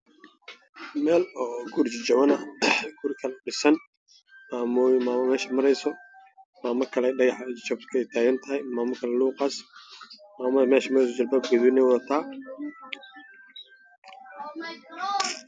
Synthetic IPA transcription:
mɛːlɔːɡuːrt͡ʃɪt͡ʃɐwɐnɐɡ̥uːrkʰɐlɛɖɪsɐn | maːmmaːmɐmɛːʃɐmɐɾɛjsɔ | maːmɐkʰɐlɛɖɐɣɑħt͡ʃɐb̚t̪kʰɛjt̪ʰaːɣɐnt̪ʰɐɦɛjmaːmɐkʰɐlɛluːqɑːs | maːmɐmɛːʃɐmɾɛjs̬ɔd͡ʒɐlbɐːb̚kʰɛðinɛjwɔðɐt̪ʰaː

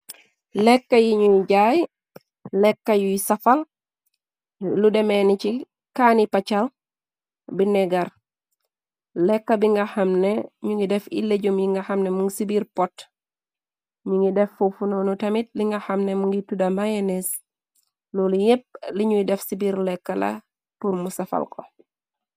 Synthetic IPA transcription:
lɛkːɐjiɲujɟaj | lɛkːɐjujsɐfɐl | ludɛmɛnit͡ʃi | kanipɐt͡ʃɐl | binɛɡɐɾ | lɛkːɐbiŋɡɐhɐmnɛɲuŋɡidɛfḭleɟumjiŋɡahɐmnɛmuŋɡisibiɾpɔt | ɲuŋɡidɛfufunɔnutɐmit̚liŋɡɐhɐmnɛmuŋɡitudamajenes | lulijep̚liɲujidɛfsibiɾlɛkːɐlɐ̰ | puɾmusɐfɐ̰lkʰɔ̰

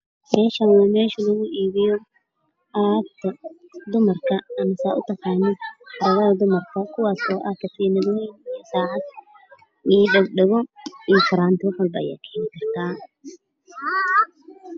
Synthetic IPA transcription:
mɛːʃɐnwɑmɛːʃʊlɐɣʊʔiːβɪjɔ | at̪ʰɐd̪ʊmɐrkʰɐɐmɐsaʔʊ̰t̪ʰɐqɑːnɪħɑɾɐɣɐðɐd̪ʊmɐrkʰɐkʰʊwɑːsɔːʔɐːkʰɐfiːnɐðwɛjnijɔsaːʕɑd̪ | ʔijɖɐɡɖɐɣɔijɔfɐɾaːnt̪ʰɪwħʊlbɐja̰ːkʰɛːnɪkʰɐrt̪ʰaː

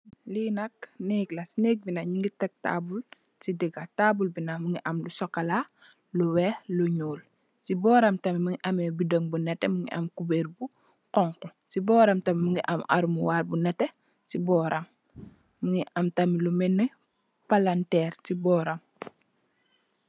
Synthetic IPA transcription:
liːnɐk̚neklasinek̚binaɲiŋɡitɛk̚ta̰bul | sidiɡataːbulbinamuŋiʔɐmlusɔkːala | luwɛluɲoːl | sibɔːɾɐmtɐmimuŋiʔɐmɛːbidoŋbunɛtɛmuŋɡḭʔɐ̰mkubeːɾbu | qɔŋkɔsibɔːɾɐmtɐmimuŋɡiʔama̰ɾumuwaːɾbunɛtːɛ | sibɔːɾʔamː | uŋiʔamtamilumɛnːə | palantɛːɾsibɔːɾam

